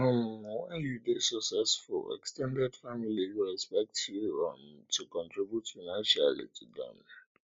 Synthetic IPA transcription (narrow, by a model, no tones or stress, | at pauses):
ɔ̃mwɛ̃njudesɔksɛsfʊ̰ɛ̰kstɛ̃ndɛdfamilijuɛspɛk̚tʰjuɹɔ̰̃mtʰukɔ̃ntɹibjutfanãnʃa̰lḭtʰidã̰m